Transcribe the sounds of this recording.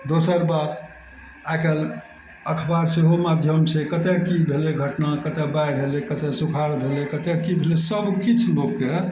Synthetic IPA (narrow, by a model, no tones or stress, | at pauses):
d̪osəɾbat̪ | akel | əkʰbaɾseɦomad̪ʱjəmt͡ʃʰɛkət̪ekibʱeleɡʱəʈnakət̪ɛbajɽ̤ʱɦelekət̪esukʰaɽbʱelekət̪ekibʱelesəbkit͡ʃʰloɡke